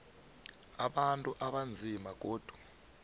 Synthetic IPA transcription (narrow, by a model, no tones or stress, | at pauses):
aɓantʼuʔaɓand͡zʱimaɡ̬ʱʼoːd̥ʱwu̥